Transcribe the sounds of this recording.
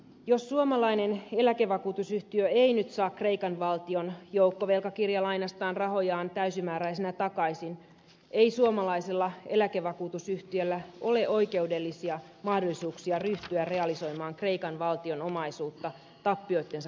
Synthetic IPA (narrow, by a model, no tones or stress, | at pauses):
jo̞sːuomɑlɑine̞ne̞lækeʋɑkuːt̪usyht̪iøeinyt̪sɑːkːre̞ikɑnʋɑlt̪io̞njoukːoʋe̞lkɑkirjɑlɑinɑst̪ɑːnrɑɦo̞jɑːnt̪æysimæːɾæisenæt̪ɑkɑisin | eisuomɑlɑiselːɑe̞lækeʋɑkuːt̪usyht̪iølːæʔo̞le̞ʔo̞ike̞ude̞lːisiɑ | mɑhdo̞lisuːksiɑryht̪yærre̞ɑliso̞imɑːŋkre̞ikɑnʋɑlt̪io̞nomɑisuːt̪ːɑ | t̪ɑpːio̞jt̪ːe̞nsɑ